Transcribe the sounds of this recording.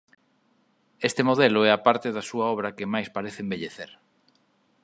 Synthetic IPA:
est̪emoðeloɛapaɾt̪eðasuaɔβ̞ɾɐkemajspaɾeθembeʎeθeɾ

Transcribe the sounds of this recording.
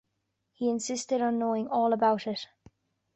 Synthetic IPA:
hiɨ̃nsɪstɨɾn̩noʊɪ̃ŋɔːlˠəbaʊɾɪt

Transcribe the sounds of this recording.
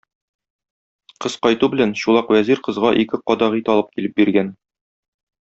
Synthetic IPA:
qɤsqɒjt̪ubɘ̆lænɕulˠɑqwæziɾqɤ̆zʁɑʔikɘqɒd̪ɑʁit̪ɒlˠɤp̚kilɘp̚biɾɡæn

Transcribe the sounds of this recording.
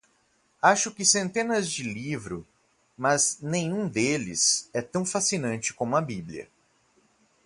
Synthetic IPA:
aʃʊkɪsẽnt̪ẽnɐzd͡ʒɪlivɾʊ | mɐznẽj̃ũd̪elɪ̰sɛt̪ɐ̃w̃fasinɐ̃nt͡ʃɪ̥kõmʊɐbibliɐ̰

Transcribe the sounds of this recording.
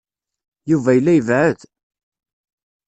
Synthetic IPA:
juvæjəlːæjəvʕəð

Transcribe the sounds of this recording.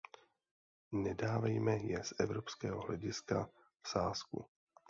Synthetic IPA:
nɛdaːvɛjmɛjɛsʔɛvɾopskɛːɦoɦlɛɟɪska̰ | fsaːskṵ

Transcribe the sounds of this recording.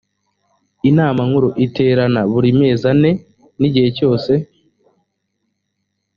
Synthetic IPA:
inaːmaŋuɾoʔite̞ːɾanaβuɾime̞ːzane̞ | niɟihe̞co̞ːse̞

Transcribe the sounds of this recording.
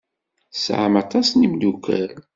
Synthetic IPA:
sʕamɑt̪ˤɑsnimlukæ̰ɾ

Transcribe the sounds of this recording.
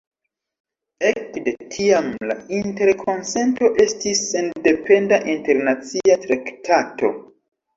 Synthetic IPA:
e̞kde̞tʰiamla̰inte̞ɾkʰo̞nse̞nto̞ʔe̞stisːe̞nde̞pe̞ndaʔinte̞ɾnat͡siatɾaktʰato̞̰

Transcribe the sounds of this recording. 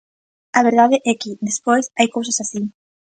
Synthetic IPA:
aβ̞eɾð̞aðɪʔɛkɪðespojsajkows̬asasi

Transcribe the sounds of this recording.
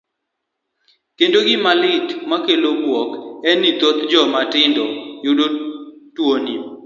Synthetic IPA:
kendoɡɪmalɪtmakelobwɔkɛnit̪ot̪d͡ʒɔmatɪndɔjʊdotwoni

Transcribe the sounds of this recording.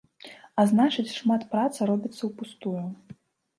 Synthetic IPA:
aznat͡ʂɨt͡sʲʂmat̪pɾat̪sɐɾɔbʲit̪sːɐwpust̪uju

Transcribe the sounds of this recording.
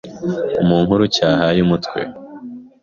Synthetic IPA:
umuːŋɦuɾucaːɦajumutkwḛ

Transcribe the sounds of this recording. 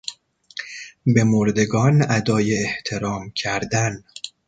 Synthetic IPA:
be̞moɾd̪e̞ɡɒːnæd̪ɒːjeːht̪ʰe̞ɾɒːmcʰæɾd̪æn

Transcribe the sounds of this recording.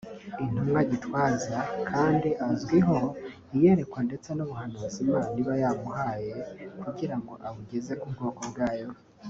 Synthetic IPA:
in̥umŋaɟitwaːzakʰaːndiʔazɡwiɦo̞ | ije̞ɾe̞kwande̞t͡se̞nuβuhanuːzimaːniβajamuhaːje̞kuɟiɾaŋɡo̞ʔaβuɡe̞ze̞kubɡoːkobɡaːjo̞

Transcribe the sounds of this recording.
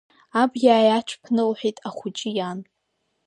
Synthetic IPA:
abɡʲaːjat͡ʃʷʰpʰnɨlħʷᶣejtʼaχʷʊt͡ʃʼɪjan

